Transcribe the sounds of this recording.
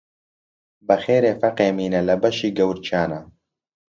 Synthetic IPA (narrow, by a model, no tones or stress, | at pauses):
bɐxeːɾeːfɐqeːmiːnɐlɐbɐʃiːɡɐwɾt͡ʃʰaːnɐ